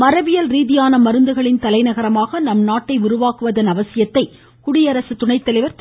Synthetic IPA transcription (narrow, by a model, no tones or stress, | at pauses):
mɐɾɐʋɪjɐlɾiːðɪjaːnɐmɐɾɯnd̪ɯɣɐɭɪnt̪ɐlɐɪnɐɣɐɾɐmaːɣɐnɐmnaːʈːɐɪʊɾʊʋaːkɯʋɐðɐnɐʋɐsɪjɐt̪ːɐɪ | kʊɽɪjɐɾɐsɯt̪ʊɳɐɪt̪ːɐlɐɪʋɐɾt̪